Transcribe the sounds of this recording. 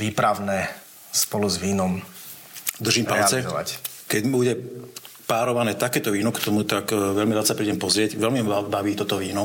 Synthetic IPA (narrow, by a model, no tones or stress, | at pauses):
ʋiːpɾaʊnɛ | spɔluzʋiːnɔm | d̪r̩ʒiːmpallt͡sɛzɔʋa̰c | kɛɟbuɟɛpaːɾɔʋanɛːt̪akɛːt̪ɔʋiːnɔkt̪ɔmut̪akʋɛlmiɾat͡ssapɾiːɟɛmpɔzɾɪɛɟʋɛlmimaabaʋiːt̪ɔt̪ɔʋiːnɔ